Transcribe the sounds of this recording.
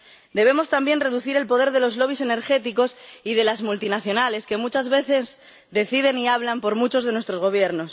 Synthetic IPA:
d̪e̞β̞e̞mo̞st̪ambje̞nre̞ðuθiɾe̞lpo̞ð̞e̞ɾðe̞lo̞zlo̞βise̞ne̞ɾxe̞t̪iko̞sið̞e̞lazmult̪inaθjo̞nale̞ske̞mut͡ʃazβe̞θe̞z | d̪e̞θið̞e̞niaβ̞lampo̞ɾmut͡ʃo̞zðe̞nwe̞st̪ɾo̞zɣo̞β̞je̞ɾno̞s

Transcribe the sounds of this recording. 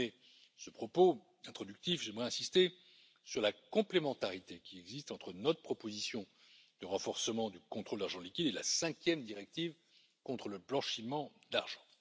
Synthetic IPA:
ɛ | səpχɔpo | ɛ̃t̪χɔd̪yk̚t̪ifʒɛmʁɛɛ̃sist̪e | syʁlakɔ̃plemɑ̃t̪aʁit̪ekʲiɛɡzist̪ɑ̃t̪χənɔt̪χə̥pʰχɔpozisjɔ̃ | d̪əʁɑ̃fɔʁsəmɑ̃d̪ykɔ̃t̪χold̪aʁʒɑ̃likʲid̪ela̰sɛ̃kʲjɛmd̪iʁɛk̚t̪iv | kɔ̃t̪χələblɑ̃ʃimɑ̃d̪aʁʒɑ̃

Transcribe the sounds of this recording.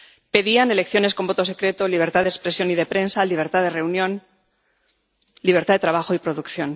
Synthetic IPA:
pe̞ðiane̞le̞kθjo̞nesko̞mbo̞t̪o̞se̞kɾe̞t̪oliβ̞e̞ɾt̪aðekspɾe̞sjo̞niðe̞pɾe̞nsaliβ̞e̞ɾt̪aðe̞re̞unjõ̞n | liβ̞e̞ɾt̪aðet̪ɾaβ̞axoipɾoðukθjo̞n

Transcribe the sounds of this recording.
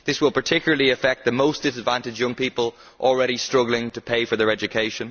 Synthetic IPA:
ðɪswɪlˠpə˞tʰɪkjl̩ˠəlˠiəfɛk̚t̪̚ðəmoʊstd̥ɪsədvãntɨd͡ʒjʌ̃ŋpipəlˠ | ʔɔl̩ˠɹɛɾistɹ̥ʌɡl̩ˠɪ̃ŋtʰəpʰeɪfə˞ðə˞ɛd͡ʒɨkʰeɪʃə̃n

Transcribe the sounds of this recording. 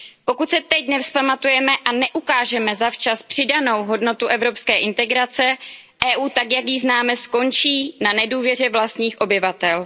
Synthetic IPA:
po̞kut̪sɛt̪ɛcnɛfspamat̪ujɛmɛʔanɛʔukaːʒɛmɛzaft͡ʃaspr̝̥ɪdano̞wɦo̞dno̞t̪uʔɛvɾo̞pskɛːʔɪnt̪ɛɡɾat͡sɛ | ʔɛːʔuːt̪akjakjɪznaːmɛsko̞nt͡ʃiːnanɛduːvjɛr̝ɛvlast̪ɲiːxʔo̞bɪvat̪ɛl

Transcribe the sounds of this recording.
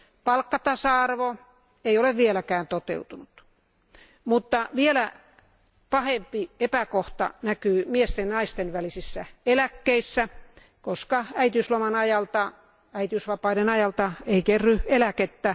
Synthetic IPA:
pɑlkːɑt̪ɑsɑɑrʋo | eioleʋʋielækæːnt̪ot̪ḛut̪unut̪ | mut̪ːɑʋielæ | pɑhempiepækoht̪ɑ̰nækyːmiest̪ennɑist̪enʋælisisːæelækːeisːæ | koskɑæit̪yslomɑnɑjɑlt̪ɑ | æit̪iysʋɑpɑidenɑjɑlt̪ɑeikerːyelæket̪ːæ

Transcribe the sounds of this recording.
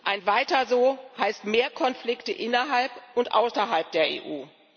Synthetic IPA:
ʔaɪnvaɪtɐzoːhaɪstmeːɐkʰɔnflɪktəʔɪnɐɦalpʔʊntʔa̰ʊsɐɦalp̚d̥eːɐḛːʔuː

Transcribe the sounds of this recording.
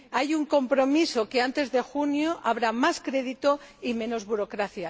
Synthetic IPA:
ajuŋko̞mpɾo̞miso̞ke̞ant̪e̞zðe̞xunjoʔaβ̞ɾamaskɾe̞ðit̪o̞imẽ̞no̞zβuɾo̞kɾaθja

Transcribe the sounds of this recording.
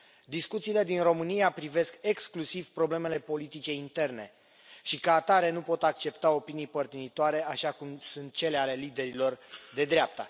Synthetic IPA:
d̪iskut̪siːle̞d̪inro̞mɨnijapɾive̞ske̞ksklusiv̥pɾo̞ble̞me̞le̞po̞lit̪it͡ʃe̞int̪e̞rne̞̰ | ʃikaːt̪aɾe̞nupo̞t̪akt͡ʃe̞pt̪aopinijpərt̪init̪oaɾe̞aʃakumsunt̪̚t͡ʃe̞le̞ale̞lid̪e̞ɾilo̞rd̪e̞d̪ɾeap̚t̪ə

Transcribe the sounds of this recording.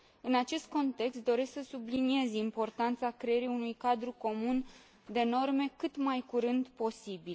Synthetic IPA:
ɨnat͡ʃe̞st̪̚ko̞nt̪e̞kst̪̚d̪o̞ɾe̞sksəsublinie̞zʲimpo̞rt̪ant̪sakɾe̞jeɾiunujkad̪ɾuko̞mun | d̪e̞no̞rme̞kɨt̪majkuɾɨnd̪po̞sibil

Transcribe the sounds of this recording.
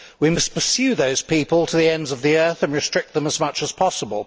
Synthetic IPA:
wimʌspʰəsjʉðoʊz̥pʰipəlˠtʰəðiɛ̃ndzʌvðiɜˑ˞θɨ̃nɹɨstɹ̥ɪk̚t̪̚ðə̃məzmʌt͡ʃəz̥pʰɑsəbəlˠ

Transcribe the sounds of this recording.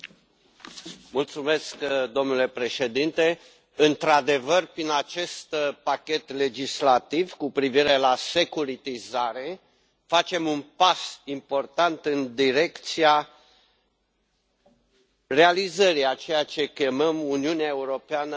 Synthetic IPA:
mult̪sume̞skd̪o̞mnule̞pɾe̞ʃe̞d̪int̪e̞ | ɨnt̪ɾad̪e̞vərpɾinat͡ʃe̞st̪pakʲe̞t̪le̞d͡ʒislat̪ivkupɾiviɾe̞lase̞kuɾit̪izaɾe̞ | fat͡ʃe̞munpasimpo̞rt̪ant̪ɨnd̪iɾe̞kt̪sia | re̞alizəɾiat͡ʃe̞jat͡ʃe̞kʲe̞məmuniuneae̞uɾo̞peanə

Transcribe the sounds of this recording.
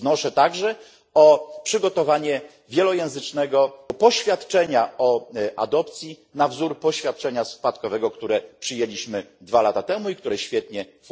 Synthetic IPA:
nɔʂɛt̪aɡʐɛ | ɔpʂɘɡɔt̪ɔvaɲɛ | vʲjɛlɔjɛ̃w̃zɘt͡ʂnɛɡɔpɔɕfʲjat̪t͡ʂɛɲaɔʔa̰d̪ɔpt̪sʲji | navzuɾpɔɕfʲjat̪̚t͡ʂɛɲaspat̪kɔvɛɡɔkt̪uɾɛpʂɘjelʲiɕmɘd̪valat̪at̪ɛmuik̚t̪uɾɛɕfʲjɛt̪ɲɛf

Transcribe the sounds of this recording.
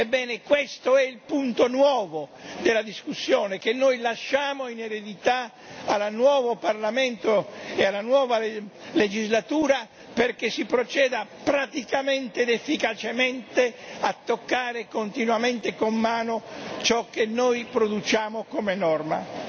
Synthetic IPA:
ebːɛːnekwest̪oɛilpunt̪onwɔːvod̪elːad̪iskusːjoːnekenːojlaʃːaːmoineɾed̪it̪a | alanwɔːvoparlament̪oealːanwɔːvaled͡ʒizlat̪uːɾa | perk̟esipɾot͡ʃɛːd̪apɾat̪ikament̪eːd̪efːikat͡ʃement̪eat̪ːokːaːɾekont̪inwament̪ekomːaːnot͡ʃɔkːenːojpɾod̪ut͡ʃaːmokomenɔrma̰

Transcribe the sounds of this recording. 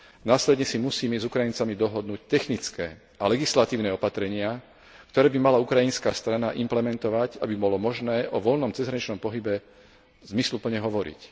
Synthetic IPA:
naːslɛd̪ɲɛsimusiːmɛzukɾajint͡samid̪ɔɦɔd̪nuːc̚t̪ɛxnit͡skɛː | ʔalɛɡislat̪iːʊnɛːɔpat̪ɾɛɲɪa | kt̪ɔɾɛːbimalaukɾajinskaːst̪ɾanaʔimplɛmɛnt̪ɔʋaɟabibɔlɔmɔʒnɛːʔɔʋɔlnɔmt͡sɛzɾaɲit͡ʃnɔmpɔɦibɛ | zmislupl̩ɲɛɦɔʋɔɾḭc

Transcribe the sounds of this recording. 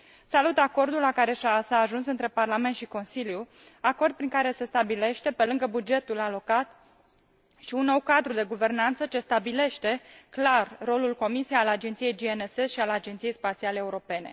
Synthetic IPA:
salut̪ako̞rd̪ulːakaɾe̞ʃasaːʒunsɨnt̪ɾe̞parlame̞nt̪ʃiko̞nsilju | ako̞rd̪̚pɾiŋkaɾe̞se̞st̪abile̞ʃt̪e̞pe̞lɨŋɡəbud͡ʒe̞t̪ulalo̞kat̪ | ʃiunːo̞wkad̪ɾud̪e̞ɡuve̞rnant̪sət͡ʃe̞st̪abile̞ʃt̪e̞klarːo̞lulko̞misijejalad͡ʒent̪sije̞jd͡ʒienesesʃialad͡ʒe̞nt̪sije̞jspat̪sialeːuɾo̞pe̞ne̞̰

